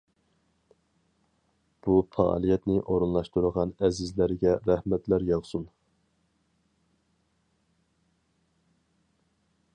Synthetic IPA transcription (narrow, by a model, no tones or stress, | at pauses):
b̥ufʰɑ̰lˠijɛt̪nɪʔoɾunlˠɑʃt̪uɾəʁɑnɛzɪzlæɾɡʲɛɾæhmɛt̪læɾjɑʁsun